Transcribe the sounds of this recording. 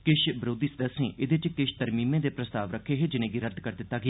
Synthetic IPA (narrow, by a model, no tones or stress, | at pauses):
kɪʃbɾoːd̪iːsəd̪əsẽːʔɪd̪eːt͡ʃkɪʃt̪əɾmiːmẽːd̪eːpɾəst̪aːʋɾəkʰːeːɦeːd͡ʒɪnẽːɡiːɾət̪kəɾd̪ɪt̪ːaːɡɪaː